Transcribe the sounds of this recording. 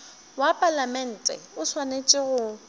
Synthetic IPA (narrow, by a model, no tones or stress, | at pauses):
wapʼalamɛn̩ːtʼɛ̰ʊswanet͡ʃʼɪɣʊ